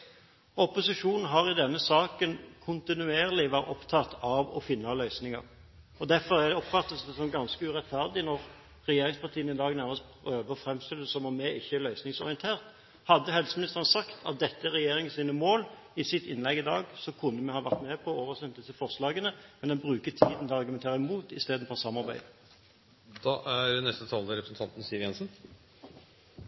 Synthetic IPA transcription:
ɔpʊsɪʂuːnn̩ɦɑʁɪd̪ɛnːəsɑːkənkʰʊnt̪ɪnʉeːʁlɪʋæːɾɔpt̪ʰɑt̪ʰːɑʋɔ̰fɪnːɑlœʏsnɪŋɑ̰ʁ | ɔd̪æɾfɔɾæd̪ɛɔpfɑt̪ːəssɔmɡɑnskəʉʁɛt̪fæʁd̪ɪnɔʁ | ɾɛjeːɾɪŋspɑʁt̪ʰiːənɪd̪ɑːɡnæʁməspʰɾøːʋəfɾɛmst̪ɪləsɔmɔmɛʔɪçːəlœʏsnɪŋsɔɾɪənt̪ʰeːʁt̪ | hɑd̪ːəhɛlsəmɪnɪst̪əʁnəsɑkt̪ʰɑ̰t̪̚d̪ɛt̪ːəæɾɛjeːɾɪŋənsiːnəmoːl | ɪsɪt̪ɪnlɛɡɪd̪ɑ̰ːɡsɔkʰʉnːəmɛhɑːʋæʁt̪mɛːpʰɔoːʋəʁsɛnd̪ɪsəfɔʁslɑːɡənəmɛnd̪ɛnbʁʉːkət̪ʰiːd̪nɑʁɡʉmɛnt̪ʰeːʁɾəmuːt̪ɪ̰st̪eːd̪n̩fɔɾsɑmːɑʁbæɪd̪ə | d̪̥ɑʔæɾɛnɛst̪ət̪ʰɑːld̪əɾɛpɾəsn̩t̪ʰɑnt̪n̩siːʋjɛnsn̩

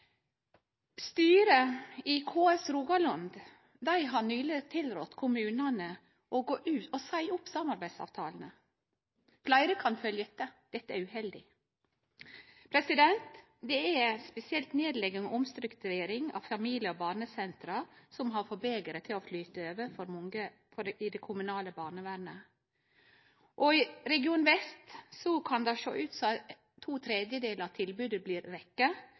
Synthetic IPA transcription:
st̪yːɾəiːkʰoːɛsɾuːɡɑlɑnd̪ | d̪æɪɦɑnyːlət̪ʰɪlɾɔt̪kʰʊmʉːnɑnə | ʔoɡoːʔʉːosæɪʊpsɑmɑɾbæɪd̪sɑ̰ːʋt̪ʰɑ̰ːln̩ə | flæɪɾəkʰɑnfœljəɛt̪ːəd̪̥ɛt̪ːəæɾʉhɛld̪ɪ̰ | pʰɾɛsɪd̪ɛnt̪ | d̪ɛæspɛsɪɛlt̪neːd̪lɛɡːənʔʊmst̪ɾʉkt̪ʉɾeːɾɪŋɑ̰ʋfɑmiːlɪjəɔbɑːɾɳəsɛnt̪ɾɑsɔmɦɑɾfɔbeːɡ̪əɾət̪ʰɪloflyːt̪əøːʋəɾfɔɾmɔŋə | fɔɪd̪ɛkʰʊmʉnɑːləbɑːɳəʋæɾnə | ʔɔɪɾɛɡɪuːnʋɛst̪sɔkʰɑnd̪ɑʃo̰ːʔʉːt̪sɔ | t̪ʰːuːt̪ʰɾɛd̪jəd̪eːləɾɑt̪ʰɪlbʉːd̪əbliːɾʋɛkːə

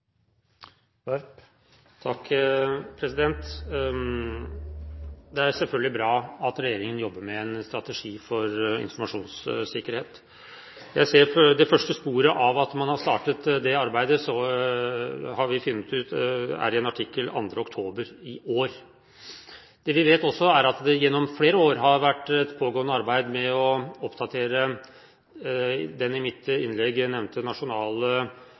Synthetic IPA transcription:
t̪ʰɑkːpʰɾɛsɪd̪ɛnt̪ | d̪ɛæɾsɛlfœlɡəlɪbɾɑːɑt̪ɾɛjeːɾɪŋənjɔbːəmɛɛnst̪ɾɑt̪ɛʂiːfɔɾɪ̰nfɔɾmɑʂuːnssɪkːəɾheːt̪ | jæɪseːɾfd̪ɛfœʂʈəspuːɾəʔɑʋɑt̪mɑnhɑst̪ɑːʈət̪d̪ɛɑɾbæɪd̪əsɔ | hɑɾʋɪfʏnːət̪ʉːt̪æ̰ɾɪɛnɑʈʰɪkːəlɑ̰nd̪ɾəɔkt̪ʰoːbəɾɪoːɾ | d̪̥ɛʋɪʋeːt̪ɔsːɔæɾɑt̪d̪ɛjɛnːɔmfleːɾəoːɾɦɑɾʋæʈːɛt̪pʰoːɡoːnːəɑɾbæɪd̪mɛɔɔpd̪ɑt̪ʰeːɾə | d̪ɛnɪmɪt̪ɪnlɛɡnɛʋnt̪ənɑʂʊnɑːlə

